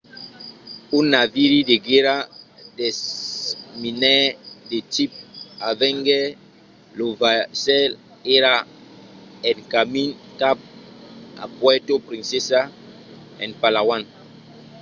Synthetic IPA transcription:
unːaviɾideɡeɾadɛ | minɛdetip̚avɛ̃ŋɡɛ | lovasɛl | eɾa | ɛnkamĩnkap̚ | a̰pwɛtopɾĩnsesa | ɛ̰̃npalawãn

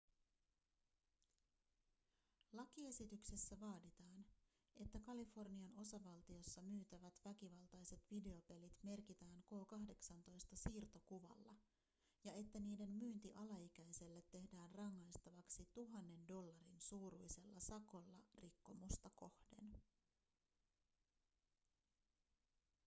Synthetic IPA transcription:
lɑkie̞sit̪ykse̞sːæʋɑːdit̪ɑːn | e̞t̪ːækɑlifo̞rniɑno̞sɑʋɑlt̪io̞sːɑmyːt̪æʋæt̪ʋæk̟iʋɑlt̪ɑjse̞t̪ʋide̞o̞pe̞lit̪me̞rkit̪æːŋko̞ːkɑɦde̞ksɑnt̪o̞jst̪ɑsiːrt̪o̞kuʋɑ̰lːɑ̰ | jɑe̞t̪ːæniːde̞mmyːnt̪iʔɑlɑik̟æjse̞lːet̪ːe̞hdæːnrɑŋːɑjst̪ɑʋɑksit̪uɦɑnːe̞ndo̞lːɑɾinsuːɾujse̞lːɑsɑko̞lːɑrikːo̞must̪ɑko̞hd̥e̞̰n

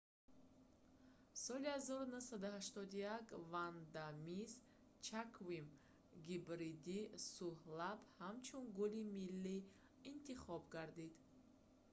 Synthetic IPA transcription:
sɔlihazɔɾunusad̪uhaʃt̪ɔd̪ujakvand̪amis | t͡ʃʰakʰvim | ɡibɾid̪isuhlabhamt͡ʃʰunɡulimilːiː | nt̪ʰiχɔbɡaɾd̪id̪

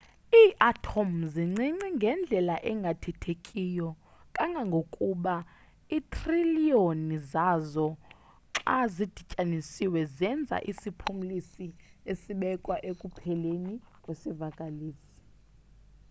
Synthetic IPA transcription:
iːʔatʰomziŋ͡ǀiŋ͡ǀiŋɡʱɛnd͡ɮʱɛlaʔɛŋɡʱatʰɛtʰekʼijɔ | kʼaŋɡʱaŋɡʱokʼuɓa | itʰʼrilionizazɔ | ǁazid̥ʱicʼanisiwɛzɛnd͡zʱa̰ʔisipʰum̩lisiesiɓɛkʼwaʔekʼupʰɛlenikʼwesivakʼaliːsi̥

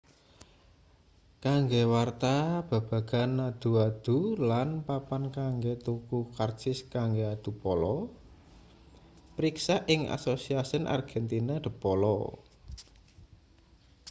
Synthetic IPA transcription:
kaŋɡewart̪ab̥ä̤b̥ä̤ɡ̥a̤nːad̪̥ṳad̪̥ṳlanpapankaŋɡet̪ukukart͡ʃɪskaŋɡead̪̥ṳpɔlɔ | pɾiksaʔɪŋa̰sosiasənʔa̰rɡ̥ɛ̤nt̪inad̪̥ə̤pɔlɔ

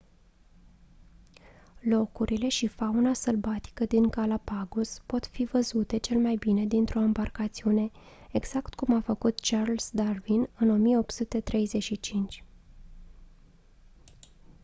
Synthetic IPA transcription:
lo̞kuɾʔile̞ʃifaunasəlbat̪i̥kəd̪iŋkalapaɡuspo̞t̪fivəzut̪e̞t͡ʃe̞lemajbine̞d̪int̪ɾo̞ambarkat̪siune̞ | eɡz̥akt̪kumafəkut̪t͡ʃarlsd̪arvinɨno̞mije̞o̞pt̪sut̪e̞t̪ɾe̞jze̞ʃit͡ʃint͡ʃʲ

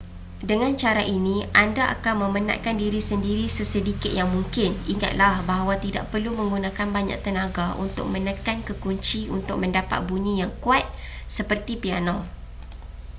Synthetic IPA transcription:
dəŋãnt͡ʃaɾaʔiniʔandaʔa̰kanmə̃məna̰ʔkandiɾisəndiɾisəsədikɪt̪̚jaŋmuŋkɪniŋa̰t̪̚lahbaɦawat̪ida̰ʔ̚pərlumə̃ŋɡunãkanbaɲa̰ʔ̚t̪ənaɡaʔṵnt̪ʊ̰k̚mə̃nəkankəkuɲt͡ʃiʔṵnt̪ʊk̚mə̃ndapa̰t̪̚buɲijaŋkuat̪̚ | səpərt̪ipianã

